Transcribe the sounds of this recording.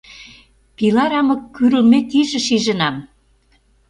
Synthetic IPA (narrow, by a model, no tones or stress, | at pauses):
pilɑɾɑmɤ̆kːyɾə̆lmet̪iʒə̆ʃiʒə̆nɑm